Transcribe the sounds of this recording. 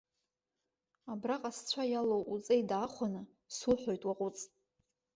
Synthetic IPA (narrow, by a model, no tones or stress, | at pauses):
abraqʼast͡ɕʷʰajalowʔut͡sʼejdaːχʷanɨ | suħʷᶣojtʼwaqʼʊt͡sʼ